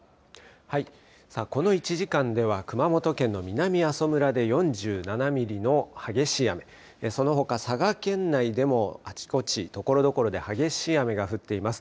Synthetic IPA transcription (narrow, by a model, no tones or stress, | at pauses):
hai | sako̞no̞it͡ɕiʑikãnd̪e̞β̞akɯ̟mamo̞t̪o̞kẽ̞nːo̞mʲinamʲiaso̞mɯ̟ɾad̪e̞jõ̞ɲ̟d͡ʑɨːnanamʲiɾʲino̞haɡe̞ɕiame̞ | eso̞no̞ɦo̞kasaɡakẽ̞nːaid̪e̞mo̞at͡ɕi̥ko̞t͡ɕit̪o̞ko̞ɾo̞d̪o̞ko̞ɾo̞d̪e̞haɡe̞ɕiame̞ɡaɸɯ̟t̪ːe̞imasɨ̥